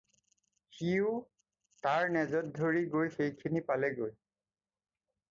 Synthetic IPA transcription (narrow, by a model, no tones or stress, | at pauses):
xiʊ | taɹnɛzɔt̚dʱoɹiɡojxejkʰinipalɛɡoj